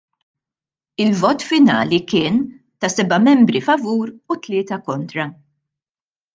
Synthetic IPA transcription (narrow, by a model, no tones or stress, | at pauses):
ɪlvɔːt̪fɪnɐ̰ːlikɪːn | t̪ɐsɛbɐmɛmbɾifɐvuːɾut̪lɪːt̪ɐkɔnt̪ɾɐ